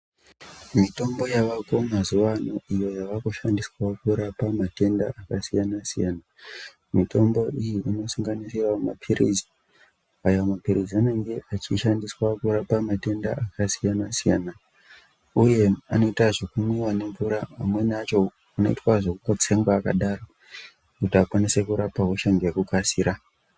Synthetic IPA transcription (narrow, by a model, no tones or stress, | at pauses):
mito̞mbo̞jaʋako̞mazuʋanoijo̞jaʋakuʃandiswakuɾapamate̞nda̰akasijanasijaːna | mito̞mbo̞ʔijiʔino̞suŋɡanisirama̰pʰirḭd͡zi̥ | ajawmapiɾiziane̞ŋɡe̞ʔat͡ʃiʃandiswakuɾapamate̞ndaakasijanasija̰ːna | uje̞ano̞itaʐokumiwane̞ɱvuɾaamwe̞nat͡ʃo̞ | uno̞ḭtwaʐokuŋɡot͡se̞ŋɡwaːka̰ɗaːɾo | kutiakwanise̞kuɾapakuʃaŋɡiekukasiːɾa